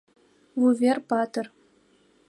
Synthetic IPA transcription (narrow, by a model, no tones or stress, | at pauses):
vuvʲerpɑt̪ɤ̆r